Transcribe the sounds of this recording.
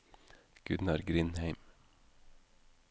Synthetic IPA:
ɡ̥ʉnɑɾɡɾɪnhæɪm

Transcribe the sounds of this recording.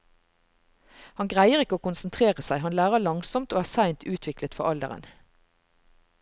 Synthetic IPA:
hɑnɡʁæɪəʁɪkəoːkʊnsnt̪ʰʁeːʁəsæɪhɑnlæːʁəlɑŋsɔmt̪oːæːsæɪnt̪ʰʉːt̪ʰʋɪklət̪fɔʁɑld̪ə̰ʁə̰n

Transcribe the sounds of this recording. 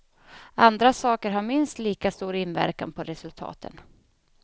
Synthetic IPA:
and̪ɾasɑːkəɾɦaɾmɪnst̪liːkast̪uːɾɪnvæ̰ɾka̰npʰɔɾɛsɵlt̪ʰɑ̰ːt̪ʰə̰n

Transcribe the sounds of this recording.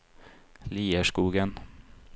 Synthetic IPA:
liːəʂkuːɡən

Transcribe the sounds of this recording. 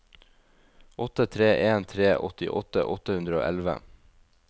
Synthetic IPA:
ʔɔt̪ət̪ʰɾeːʔeːnt̪ʰɾeːʔɔt̪ɪ̰ʔɔt̪ə̰ʔɔt̪əhʉnd̪ɾəo̰ːʔɛlʋə̰

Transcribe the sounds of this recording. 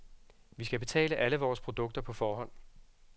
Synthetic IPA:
ʋisɡ̥æb̥e̝t͡sʰɛ̰ːləʔæləʋɒːspʰʁo̝d̥ɔ̽ɡ̥̚d̥ɐpʰɒ̽fɒːɦɒ̽n̰

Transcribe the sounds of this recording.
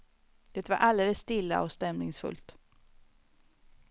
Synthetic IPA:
jɛt̪vaɾʔald̪eːləsːt̪ɪlːa̰ɔst̪ɛmnɪŋsfɵ̰lt̪

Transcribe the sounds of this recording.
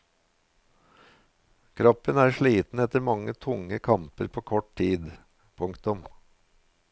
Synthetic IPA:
kʰɾɑpənæːʃɭiːt̪n̩ɛt̪əɾmɑŋət̪ʰʊŋəkʰɑmpəɾpʰoːkʰɔʈtiːd̪ | pʰʊŋkt̪ʊm

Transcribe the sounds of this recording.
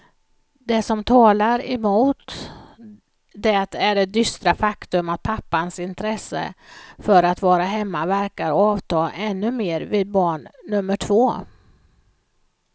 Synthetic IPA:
d̪ɛsɔmt̪ʰɑːlaɾɛmuːt̪ | d̪ɛt̪æɖɛd̪ʏst̪ɾafakt̪ɵmat̪̚pʰapːansɪnt̪ʰɾɛsːə̰fœɾat̪vɑːɾaɦɛmːavæɾkaɾɑːvt̪ʰɑːʔɛnːɵmeːɾvɪd̪̚bɑːɳːɵmːəʈʰvoː

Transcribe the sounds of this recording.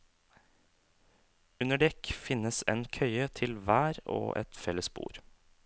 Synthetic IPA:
ʉnəɖɛkfɪnəsḛːnkʰœʏət̪ʰɪlʋæːɾo̰ːʔɛ̰t̪fɛləsbṵːɾ

